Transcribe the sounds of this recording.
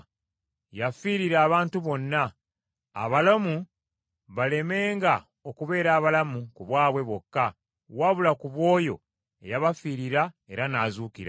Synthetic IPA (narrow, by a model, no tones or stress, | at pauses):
jafiɾiɾaːβaːntuβo̞nːa̰ː | βalamu | βale̞me̞ːŋɡa | okuβe̞ːɾaːβalamukuβwaːβwe̞βwo̞kːa | waβulakuβwo̞ːjo̞̰ | e̞̰jaβafiːɾiɾa | e̞ɾanazuːkiɾa̰